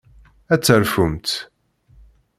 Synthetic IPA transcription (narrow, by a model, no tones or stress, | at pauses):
æt͡sːəɾfumt̪